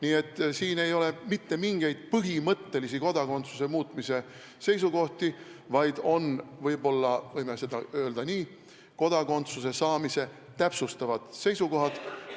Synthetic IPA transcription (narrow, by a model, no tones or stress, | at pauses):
niːe̞t̪ːˑsiːne̞jo̞le̞mit̪ːe̞miŋɡ̥e̞jd̪̥̚pɯɦimɤt̪ːe̞lisiko̞d̪̥ɑko̞nt̪su̥se̞muːt̪ːˑmise̞ | se̞jsuko̞ht̪ivɑjd̪̥o̞nvɤjbo̞lːɑvɤjmese̞d̪ɑø̞ːld̪̥ɑniː | ko̞d̪̥ɑko̞nt̪suse̞sɑːmise̞ | t̪æpsust̪ɑvɑd̪̥se̞jsuko̞ɦɑd̪̥